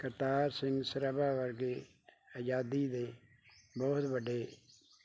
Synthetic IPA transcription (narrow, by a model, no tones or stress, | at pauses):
kəɾt̪aːɾsɪ̃ŋɡsəɾəbaːʋəɾɡeː | əd͡ʒaːd̪iːd̪eː | bɔːt̪bəɖeː